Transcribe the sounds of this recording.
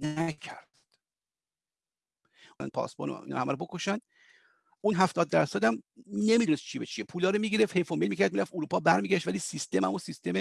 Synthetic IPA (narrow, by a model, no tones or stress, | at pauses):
næcʰæɾd̪̥ | æ̰n̚pʰɒ̰ːsbo̰ːno̰ḭnɒ̰hæmæɾobo̞koʃænd̪̥ | unɦæft̪ɒːd̪̚ːæɾsæd̪æmne̞mid̪unest̪t͡ʃʰibet͡ʃʰiepʰuːlɒːɾomiɟiɾefhejfomelmiːcʰæɾd̪miɾæft̪uɾuːpʰɒːbæɾmiːɡʲæʃt̪væliːsist̪emæ̰mosist̪eme